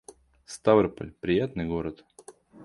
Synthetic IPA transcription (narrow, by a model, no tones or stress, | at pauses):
st̪avərpə̰lʲpɾʲɪjat̪nɨjɡoɾət̪